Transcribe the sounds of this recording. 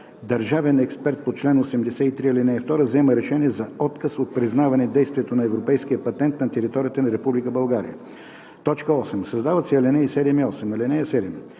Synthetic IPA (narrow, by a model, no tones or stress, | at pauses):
d̪ɐɾʒavɛnɛkspɛɾt̪̚pot̪t͡ʃlɛnosɛmd̪ɛsɛit̪ɾiɐlɛnɛift̪ɔɾəvzɛməɾɛʃɛniɛzɐɔt̪kəsot̪̚pɾiznavɐnɛd̪ɛjst̪viɛt̪onɐɛvɾopɛjskijəpɐt̪ɛnt̪nɐt̪ɛɾit̪ɔɾijət̪ənɐɾɛpublikəbɐlˠɡaɾḭjə̰ | t̪ɔt͡ʃkəɔsɛmsɐzd̪avət̪sɛɐlɛnɛjsɛd̪ɛmiɔsɛmɐlɛnɛjɐsɛd̪ɛm